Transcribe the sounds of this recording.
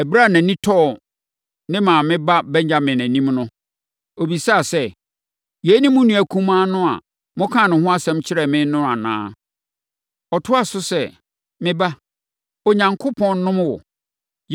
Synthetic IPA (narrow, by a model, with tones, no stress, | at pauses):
ɛ˨bɾa˦˨næ̃˨nĩ˦tʰɔ˦˨ | nɪ̃˦mãː˨mɪ̃˦ba˦bɛ˦ɲã˦mɪ̃˨næ̃˨nĩ˦mnʊ̃˦ | o˨bi˨sa˦˨sɛ˦ | jɛ˨˦nĩ˦mʊ̃˦nũ˨æ˨kʰũ˦mãː˦nʊ̃˦a̰˨ | mʊ̃˦kʰã˦˨nʊ̃˨hʊ̃˦a˦sɛ̃˦mt͡ɕʰɪ˦ɾɛ˨mɪ̃˦nʊ̃˦a˨nã̰ː˦ | ɔ˨tʰʊ˦a˨sʊ˦sɛ˦ | mɪ̃˦ba˦ | o˨ɲã˨ŋkʰʊ˦pʰɔ̃˦nːʊ̃˦mwɔ˨